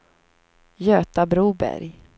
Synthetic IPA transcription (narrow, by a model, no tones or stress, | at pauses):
jøːt̪abɾuːbæ̰ɾj